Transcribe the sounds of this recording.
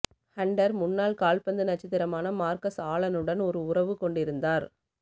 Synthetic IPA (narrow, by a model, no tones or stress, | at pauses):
hɐɳɖɐɾmʊnːaːlkaːlpɐnd̪ɯnɐt͡ʃːɐt̪ːɪɾɐmaːnɐmaːɾkɐsaːɭɐnɯɽɐnɔɾɯʊrɐʋɯkɔɳɖɪɾɯnd̪aːɾ